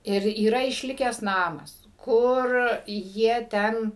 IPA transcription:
ˈɪr iːˈrɐ ɪʃʲˈlʲɪkʲæːs ˈnɑːmɐs ˈkʊr ˈjiɛ ˈtʲɛn

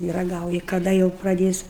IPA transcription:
ɪ rɐˈɡɐʊjɪ kɐˈdɐ jɛʊ prɐˈdʲeːs

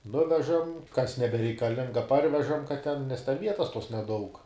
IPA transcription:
ˈnʊʋʲɛʒɐm kɐs nʲɛbʲɛrʲɛɪkɐˈlʲɪŋɡɐ ˈpɐrʲʋʲɛʒɐm kɐt tʲɛn nʲɛs tʲɛn ˈʋʲiɛtɐs tuɔs nʲɛˈdɐʊk

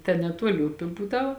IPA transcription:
tʲɛn nʲɛˈtuɔlʲɪ ˈʊpʲɪ ˈbuːˌdɐʊ

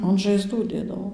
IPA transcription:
ɐn ʒɐɪˈzduː ˈdʲeːdɐʋoː

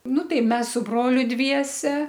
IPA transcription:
ˈnʊ ˈtɐɪ ˈmʲɛs sʊ ˈbroːlʲʊ ˈdʲʋʲiɛsʲɛ

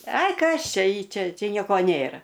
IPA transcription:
ˈɐɪ ˈkɐs ˈt͡ʃʲɛ ˈiː ˈt͡ʃʲɛ ˈt͡ʃʲɛ ˈnʲiɛkoː ˈnʲeːrɐ

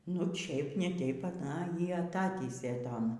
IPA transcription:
nʊ ˈt͡ʃʲɛɪp nʲɛ ˈtʲɛɪp ɐˈnɐ ˈjiː ɐˈtɑːtʲiːsʲeː ˈtoːn

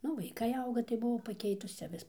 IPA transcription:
ˈnʊ ʋɐɪˈkɐɪ ˈɐʊɡɐ tɐɪ bʊˈʋɐʊ pɐˈkʲɛɪtʊs ˈt͡sʲɛ ˈʋʲɪs

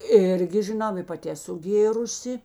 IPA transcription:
ˈɪrʲɡʲɪ ʒʲɪˈnɐʊ ɪ pɐˈtʲɪ ɛˈsʊ ˈɡʲeːrʊsʲɪ

